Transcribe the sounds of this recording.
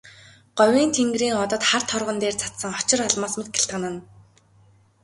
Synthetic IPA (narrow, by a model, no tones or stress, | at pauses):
ɢ̥ɔwʲiːnt̪ʰeŋɡriːŋɔt̪ɞ̆t̪χart̪ʰɔrʁɞ̆nt̪eːrt͡sʰḁt̪sə̆ŋχɔ̥t͡ɕɪ̆rɔɮmaːsmet̪̚ɡĕ̥ɬt̪ʁə̆nə̆n